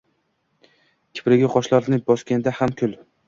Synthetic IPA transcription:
kʲʰɪ̥pɾɪɡʲaqʰɒʃlaɾnɪbɒskʲand̪ahamkʲʰʊl

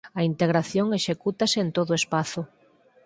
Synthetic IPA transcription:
ɐint̪eɣɾaθjoŋeʃekut̪asent̪oðʊespaθʊ

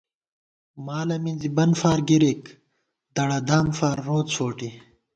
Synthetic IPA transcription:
maːlɐminzibɐnfaːɾɡiɾek | d̪̥ɐɽɐd̪aːmfaːɾːoːt͡sfoːʈi

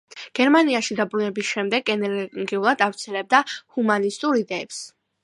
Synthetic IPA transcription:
ɡ̥ɛɾmaniaʃid̪abɾunɛbisʃɛmd̪ɛɡɛnɛɾɡiulˠad̪avt̪sʰɛlɛb̚d̪ahumanist̪ʼuɾid̪ɛɛps

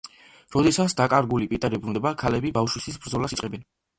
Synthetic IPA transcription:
ɾɔd̪ɛsat̪sd̪akʼaɾɡulipʼit̪ʼɛɾibɾund̪ɛbakʰalɛbibafʃwisisbɾd̪zɔlasitsʼɛbɛn

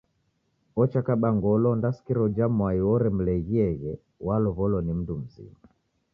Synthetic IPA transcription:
ɔt͡ʃakaɓaŋɡɔlɔndasi̥kiɾɔd͡ʒamwaiwɔɾɛm̩lɛɣiɛɣɛ | walɔβɔlɔnim̩dum̩zḭa

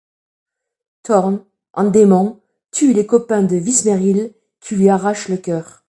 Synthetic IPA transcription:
t̪ʰɔʁn | ʔɑ̰̃d̪emɑ̃ | t̪ʰylekɔpɛ̃d̪əvismeʁil | kʲʰilɥiaʁaʃləkʲœːʁ

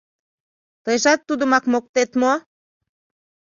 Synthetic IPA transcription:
t̪əjʒɑt̪ːud̪əmɑkmok̚t̪et̪mo

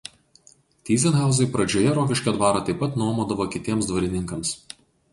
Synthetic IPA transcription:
t̪ʲiːzʲɛnɦɑˑʊzɐɪpɾɐd͡ʒʲoːjɛɾoːkʲɪʃʲkʲɐd̪ʋɑːɾɑt̪ɐɪpːɐt̪nuɔmoːd̪ɐʋoːkʲɪt̪ʲiɛmsd̪ʋɐɾʲɪnʲɪŋkɐms

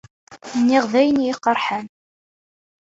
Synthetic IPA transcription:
nːɪʁðæjənjɪqːəɾˤħæn

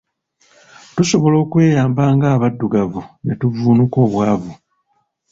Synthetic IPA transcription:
tuso̞βo̞lo̞ːkwe̞ːjaːmbaːŋɡaːβadːuɡavunetuvuːnuko̞ːβwaːvu

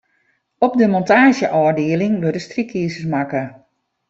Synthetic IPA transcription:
ɔp̚dəmɔntaːʒjəʔɔːrdɪəlɪŋʋødəstrikʰiːsəsmakə

